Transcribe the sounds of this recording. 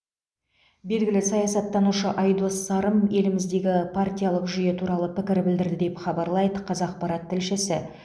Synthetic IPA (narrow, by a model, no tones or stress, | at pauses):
be̞lɡʲɪlɪsɑjɑsɑt̪ːɑnuʃəʔɑjd̪o̞sːɑɾəmje̞lɪmɪzd̪e̞ɡʲɪpʰart̪ʲijalˠəqʒʏje̞t̪ʰuɾɑlˠəpɪkʲɪɾbɪld̪ɪɾd̪ɪd̪e̞pχɑbɑɾlˠɑjd̪əqʰɑzɑq̚pɑɾɑt̪ʰːɪlʃɪsɪ